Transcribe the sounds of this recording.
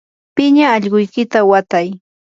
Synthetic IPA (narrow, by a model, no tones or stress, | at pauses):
pɪɲaːʎɢʊjkɪt̪awat̪aj